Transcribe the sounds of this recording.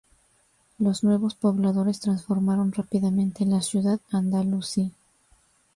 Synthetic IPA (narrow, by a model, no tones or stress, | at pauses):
lo̞znwe̞βo̞spo̞βlaðo̞ɾe̞st̪ɾansfo̞ɾmaɾo̞nrapiðamẽnt̪e̞nlasjuðaðand̪alusi